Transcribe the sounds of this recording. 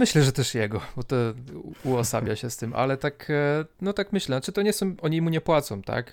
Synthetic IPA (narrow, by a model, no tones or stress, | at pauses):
mɘɕlɛʐɛt̪ɛʂjɛɡɔbɔt̪ɔuɔsa̰bʲjaɕɛst̪ɘmʔa̰lɛt̪aknɔt̪akmɘɕlɛnat͡ʂɘt̪ɔɲɛsɔ̃w̃ʔɔɲimuɲɛpwat̪sɔ̃w̃t̪a̰k